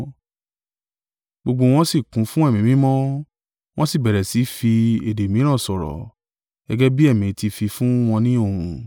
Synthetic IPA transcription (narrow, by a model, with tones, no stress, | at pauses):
ɡ͡bo˧ɡ͡bo˧w̃ɔ̃˧˦si˦˨kũ˨˦fũ˦ɛ˦˨mĩ˨mĩ˦mɔ̃˦ | w̃ɔ̃˦si˦˨bɛ˨ɾɛ˨si˨˦fi˧e˨de˨mĩ˨˦ɾ̃ã˦˨sɔ˨ɾɔ̰˨ | ɡɛ˦ɡɛ˦bi˦ɛ˦˨mĩ˨˦ti˧fi˧fũ˦w̃ɔ̃˧nĩ˦o˦˨ũ˧